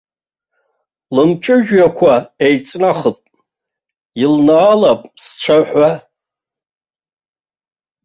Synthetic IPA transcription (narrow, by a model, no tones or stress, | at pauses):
lɨmt͡ʃʼɨʒᶣakʷʰaejt͡sʼnaχəpʼ | ilnaːlapʼst͡ʃʷʰaħʷa